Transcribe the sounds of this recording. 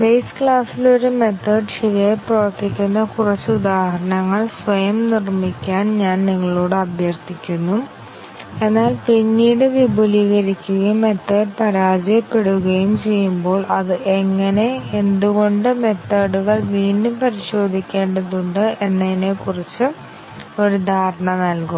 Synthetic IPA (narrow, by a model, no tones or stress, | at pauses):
bejskɭaːsilo̞ɾume̞t̪ʰːɐːɖɕiʋɐɐprɐʋɐrt̪ikʲːunːɐkurɐt͡ɕːɨud̪aːhɦɐɾɐɳɐŋːɐɭsʋɐjɐmnirmikʲːaːnɲaːnniŋːɐɭo̞ːɽɨɐbjɐrt̪ikʲːunːum | e̞nːaːlpinːiːɽɨʋibʱuliɣɐɾikʲːuɣɐjumːe̞t̪ːɐːɽpɐɾaːd͡ʑijɐpːe̞ɽuɣɐjumt͡ɕe̞jːumbo̞ːɭɐðɨʔeŋːɐne̞end̪uɣo̞ɳɖɨme̞t̪ːɐːɽuɣɐɭʋiːnːumpɐɾiɕo̞ːd̪ʱikʲːe̞ːɳɖɐðuɳɖɨe̞nːɐinekurit͡ɕːɨ | oɾud̪ʱaːɾɐɳɐnɐlkum